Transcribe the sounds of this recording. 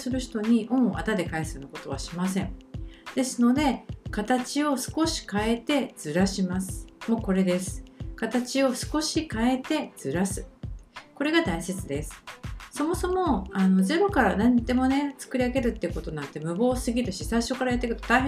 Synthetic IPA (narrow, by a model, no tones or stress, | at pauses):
sɨɾɯ̟çi̥t̪o̞ɲ̟iʔõ̞ɰ̃oʔa̰t̪ad̪e̞kaisɨnoko̞t̪o̞βa̰ɕimasẽ̞ɴd̪̥e̞sɨno̞d̪e̞kat̪at͡ɕio̞sɨ̥ko̞ɕi̥kae̞t̪e̞d͡z̥ɨɾaɕimasɨ̥mo̞ko̞ɾe̞d̪e̞sɨ̥kat̪at͡ɕio̞sɨ̥ko̞ɕikae̞t̪e̞d͡zɨɾasɨko̞ɾe̞ɡad̪aiset͡sɨd̪e̞sɨ̥so̞mo̞so̞mo̞anoze̞ɾo̞kaɾanãnd̪e̞mo̞ne̞t͡sɨ̥kɯɾʲiaɡe̞ɾɯ̟t̪ːeiɯ̟ko̞t̪o̞nãnt̪e̞mɯ̟bo̞ːsɨɡʲiɾɯ̟ɕisaiɕo̞kːaɾajat̪ːekɯ̥t̪o̞̥t̪aiɦ